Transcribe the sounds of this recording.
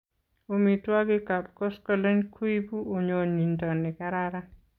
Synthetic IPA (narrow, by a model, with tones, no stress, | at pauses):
o˨mi˨twa˦ɡɪ˦ka˨pkɔ˦skɔ˦˨le˦nkʰu˦i˦bu˦o˨ɲo˨ni˨ndɔ˨nːɪ˨ka˦ɾaɾa˦